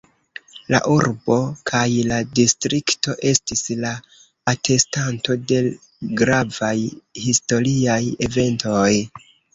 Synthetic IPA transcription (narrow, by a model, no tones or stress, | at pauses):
la̰ʔuɾbo̞kʰajladistɾikto̞ʔe̞stislaː | tʰe̞stanto̞de̞ | ɡɾavajhisto̞ɾiaje̞ve̞ntʰo̞j